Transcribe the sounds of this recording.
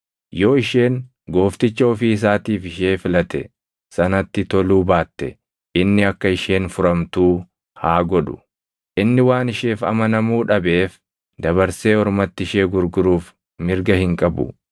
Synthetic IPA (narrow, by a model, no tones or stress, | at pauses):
jo̞ːɪʃe̞ːŋ | ɡo̞ːft̪ɪt͡ʃːɐɔfiːɪs̬aːt̪iːfɪʃeːfɪlɐt̪ɛ | sɐnɐt̪ːɪt̪ɔluːbaːt̪ːɛ | ɪnːɪɐkːɐɪʃe̞ːnfʊɾɐmt̪uː | haːɡɔᶑʊ̥ | ʔɪnːɪwaːnɪʃe̞ːfɐ̰mɐnɐmuːᶑɐbe̞ːf | d̪ɐβɐɾse̞ːɔɾmɐt̪ːɪɪʃe̞ːɡʊɾɡʊɾuːf | mɪɾɡɐhɪŋkʼɐbʊ̰